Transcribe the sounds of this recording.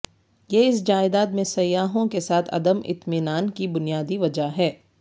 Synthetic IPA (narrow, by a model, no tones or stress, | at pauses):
jeɪs̬d͡ʒaːɪd̪aːt̪mẽsɐjːaːɦõkesaːt̪ʰɐ̰d̪əmɪ̰t̪mɪnaːnkibʊnijaːd̪iʋɐd͡ʒaɦɛː